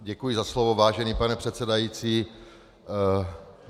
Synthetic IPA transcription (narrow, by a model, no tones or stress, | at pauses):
ɟɛkujɪzaslovovaːʒɛniːpanɛpr̥ɛt̪sɛdajiːt͡siː